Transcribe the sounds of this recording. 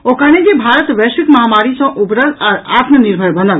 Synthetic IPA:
okəned͡ʒebʱaɾət̪ʋesʋikməɦamaɾisə̃ʔubɾəlaɾat̪məniɾbʱəɾbənd̪əl

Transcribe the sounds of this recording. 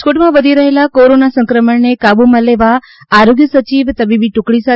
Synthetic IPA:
koʈmãʋəd̪ʱiɾɐɦelakoːɾonasə̃ŋkɾəməɳnekaːbuməleʋa | aːɾoːɡjəsət͡ɕiːʋt̪əbʱibʱiʈʊkɽisa

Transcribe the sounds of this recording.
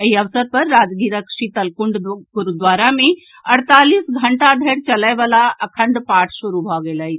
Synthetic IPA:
ɐɦiɐʋsəɾ̚pɐɾːaːd͡ʒɡiːɾəkʃit̪ɐlkʊɳɖ̪ɡʊɾd̪ʋaːɾamẽ | ɐɽt̪aːliːsɡʱɐɳʈad̪ʱeːɽt͡ʃɐlaːjʋəlaɐkʰə̃ɳɖpaːʈʰʃʊɾubʱaːɡeːlaɦi

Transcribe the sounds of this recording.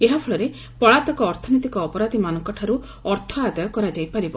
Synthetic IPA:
eɦapʰɔɭɔɾe | pɔɭat̪ɔkɔːɾt̪ʰɔnɔt̪ikɔːpɔɾad̪ʱimanɔŋkɔʈʰaɾu | ɔɾt̪ʰɔad̪ajɔkɔɾad͡ʒajpaɾibɔ

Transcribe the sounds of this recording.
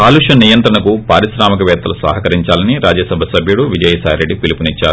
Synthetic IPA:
kaːluʂɐnijɐnt̪ɾɐɳɐkupaːɾisɾaːmɐkɐʋɛːt̪ɐlusɐ̰ːɦɐkɐɾiɲt͡ʃaːlɐniɾaːd͡ʒɐsɐbʱɐsɐbʱjuɽuʋid͡ʒɐjɐsaːjɾeɖːipilipunit͡ʃːaːɾu

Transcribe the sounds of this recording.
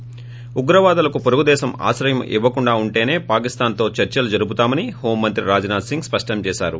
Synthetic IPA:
uɡɾɐʋaːd̪ɐlɐkupoɾuɡud̪ɛːsɐma̰ːʃɾɐjɐmʔḭʋːɐkuɳɖaːuɳʈe̞ːne̞ːpaːkist̪aːnt̪o̞ːt͡ʃɐɾt͡ʃɐlud͡ʒɐɾubut̪aːmɐniho̞ːmːɐnt̪ɾiɾaːd͡ʒɐnaːd̪siŋɡspɐʂʈɐmt͡ʃɛːʃaːɾṵ

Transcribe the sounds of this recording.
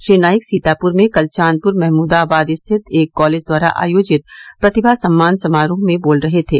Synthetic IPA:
ʃiːnaːjɪksiːt̪aːpʊɾmẽkɐlt͡ʃaːn̚pʊɾmɛɦmuːd̪aːbaːd̪ɪst̪ʰɪt̪eːkːɔːleːd͡ʒd̪waːɾa̰ʔa̰ːjoːd͡ʒɪt̪̚pɾɐt̪ɪbʱasɐmːaːnsɐmaːɾõmẽboːlɾɐɦet̪ʰḛː

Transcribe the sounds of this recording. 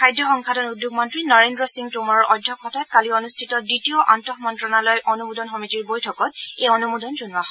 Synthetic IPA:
kʰajdjɔxɔŋkʰatɔnudʱjuɡmɔntɹinɔɹendɹɔsiŋtumɔɹɔɹʔɔdʱːɔkʰːɔtatkaliɔnustʰitɔditiɔʔantɔxmɔntɹɔnalɔjʔɔnumudɔnxɔmitiɹbojtʰɔkɔt̚ejɔnumudɔnzunwaɦɔ

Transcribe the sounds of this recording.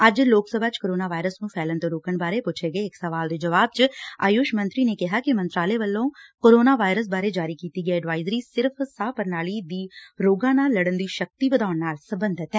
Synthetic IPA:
əd͡ʒloːksəbʱaːt͡ʃkoːɾoːnaːʋaːɪɾəsnũːpʰɛːlənt̪õːɾoːkəɳbaːɾeːpʊt͡ʃʰeːɡəeɪksəʋaːld̪eːd͡ʒəʋaːb̚t͡ʃa̰ːjoːʃmə̃nt̪ɾiːneːkɪɦaːkɪmənt̪ɾaːleːʋəlːõːkoːɾoːnaːʋaːɪɾəs̬baːɾeːd͡ʒaːɾiːkiːt̪iːɡəeːɖʋaːɪzɾiːsɪɾpʰsaːpəɾnaːliːd̪iːɾoːɡãːnaːlːəɽənd̪iːʃək̚t̪iːbəd̪aːʊɳnaːlsəbənd̪ʱɪt̪ɛː

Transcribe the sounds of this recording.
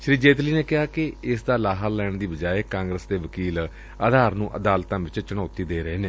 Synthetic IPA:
ʃɾiːd͡ʒeːt̪liːneːkɪɦaːkɪɪsd̪aːlaːɦaːlɛːɳd̪iːbəd͡ʒaːeːkãːŋɡɾəsd̪eːʋəkiːl | aːd̪ʱaːɾnũːʔəd̪aːlt̪ãːʋɪt͡ʃt͡ʃəɳɔːt̪iːd̪eːɾəeːneː

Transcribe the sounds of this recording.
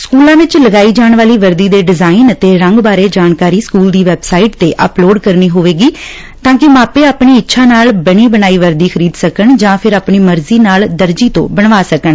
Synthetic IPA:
skuːlãːʋɪt͡ʃləɡaːiːd͡ʒaːɳʋaːliːʋəɾd̪iːd̪eːɖɪzaːinət̪eːɾə̃ŋɡbaːɾeːd͡ʒaːnkaːɾiːskuːld̪iːʋɛːbsaːiʈt̪eːʔə̰ploːɖkəɾniːɦoːʋeːɡiː | t̪ãːkɪmaːpeːaːpɳiːɪtːʃʰãːnaːlbəɽ̃iːbənaːiːʋəɾd̪iːxʰəɾiːd̪səkəɳd͡ʒãːpʰɪɾaːpɳiːməɾziːnaːld̪əɾd͡ʒiːt̪õ̰ːbəɳʋaːsəkəɳ

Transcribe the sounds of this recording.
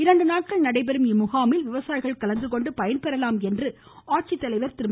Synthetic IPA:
ɪɾɐɳɖɯnaːʈ̚kɐɭnɐɽɐɪpɛɾɯmɪmʊɣaːmɪlʋɪʋɐsaːjɪɣɐɭkɐlɐnd̪ɯkɔɳɖɯpɐjɐnpɛɾɐlaːmɛndrɯ | aːʈ̚t͡ʃit̪ːɐlɐɪʋɐɾt̪ɪɾɯm

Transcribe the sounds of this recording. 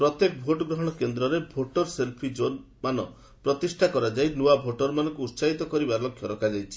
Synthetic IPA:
pɾɔt̪jekɔbʱoʈɔɡɾɔɦɔɽ̃ɔkend̪ɾɔɾebʱoʈɔɾselpʰid͡ʒon | manɔ | pɾɔt̪isʈʰakɔɾad͡ʒajnuabʱoʈɔɾmanɔŋkuːt̪saɦit̪ɔkɔɾibaɾlɔkʰjɔɾɔkʰad͡ʒajt͡ʃʰi̥

